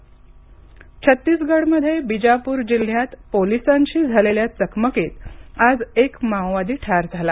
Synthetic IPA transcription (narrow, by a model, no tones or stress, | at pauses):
t͡ɕʰət̪ːiːsɡəɽməd̪ʱːjebid͡ʑapuːɾd͡ʑil̤jat̪polisaɲt͡ɕiːd͡zʱaleljat͡səkməket̪ad͡zekmãw̃ʋad̪iːʈʰaɾd͡zʱala